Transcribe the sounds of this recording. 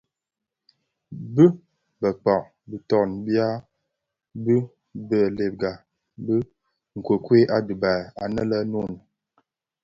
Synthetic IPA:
bə˦ | bə˨k͡pa˨ʔ | bi˨tɔ˨nbja˦ | bə˦ | bə˨le˨p̚ɡa˨ | bə˦ | ŋ̩˨kwə˨kwe˦ʔa˦du˨ba˨a˨nə˦lə˦no˦˨n˨

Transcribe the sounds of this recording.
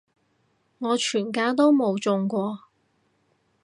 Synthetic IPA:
ŋɔː˨˧t͡ʃʰyː˨˩nkaː˧˥t̪o˥wmo˨˧wt͡sʊ˨˧ŋkʷɔː˧

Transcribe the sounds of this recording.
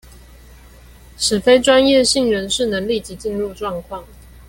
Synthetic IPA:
ʂɻ̩˨˩fe˥ɪʈ͡ʂwa˥njɛ˥˨ɕi˥˩ŋɻə˧˥nʂɻ̩˥˩nə˧˥ŋli˥˩t͡ɕi˧˥t͡ɕi˥˧nɻu˥˧ʈ͡ʂwɑ˥˧ŋkʰwɑ˥˩ŋ

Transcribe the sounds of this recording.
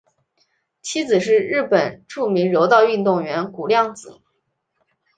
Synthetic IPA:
t͡ɕʰi˥t͡sɹ̩˨˩ʂ̬ɻ̩˥˧ɻɻ̩˥˩pə˨˩nʈ͡ʂu˥˩mi˧˥ŋɻo˧˥ʊt̪ɑ˥˧ʊy˥˧nt̪ʊ˥˩ŋɥɛ˧˥nku˨˩ljɑ˥˩ŋt͡sɹ̩˨˩˦

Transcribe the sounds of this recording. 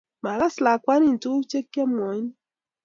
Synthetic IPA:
ma˨ɾa˦sla˨kwa˦ni˦˨n˨tu˦t͡ʃe˦kːe˦mɔ˨˦n˦

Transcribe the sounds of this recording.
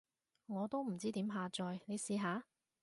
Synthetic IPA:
ŋɔː˨˧t̪o˥wm̩˨˩t͡siː˥t̪iː˨˥mɦaː˨˧t͡sɔː˨˧jne˨˧jsiː˧ɦaː˨˧

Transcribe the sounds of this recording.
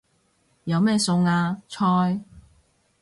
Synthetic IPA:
jɐ˨˧wmɛː˥˧sʊ˧ŋaː˧t͡ʃʰɔː˧j

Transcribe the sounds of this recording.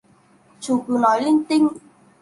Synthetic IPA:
t͡ɕu˨˩ki˨˩˦nɔ˨˦jli˧ŋt̪i˧ŋ

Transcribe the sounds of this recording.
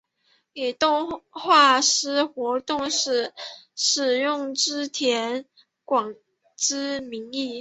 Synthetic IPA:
i˨˩t̪ʊ˥˧ŋxwa˥˩ʂɻ̩˥xwɔ˧˥t̪ʊ˥˧ŋʂɻ̩˥˩ʂɻ̩˨˩jʊ˥˩ŋʈ͡ʂɻ̩˥t̪ʰjɛ˧˥n | kwɑ˨˩ŋ | ʈ͡ʂɻ̩˥mi˧˥ŋi˥˩

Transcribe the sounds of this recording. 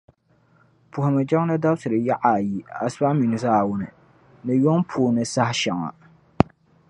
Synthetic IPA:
pʊ˨hʊ˨mɨ˨d͡ʒa˦ŋ˦nɨ˦da˦bsɨ˨ɾɨ˨ja˦ʔa˨ji˨a˨sba˦mi˨nɨ˨zaː˦˨wʊ˦nɨ˨ | nɨ˨jo˦ŋpʰu˨nɨ˨sa˦hɪ˦ʃa˨ŋa̰˨

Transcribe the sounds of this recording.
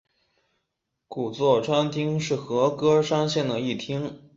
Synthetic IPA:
ku˨˩t͡swɔ˥˩ʈ͡ʂʰwa˥nt̪ʰi˥ŋʂɻ̩˥˩xɤ˧˥kɤ˥ʂɑ˥ŋɕjɛ˥˩nd̪ə˩i˥˩t̪ʰi˥ŋ

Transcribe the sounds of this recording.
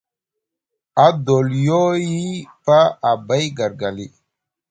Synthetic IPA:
a˨do˨ljo˦ji˦pa˦a˨ba˦jɡa˨ɾɡa˨li˦

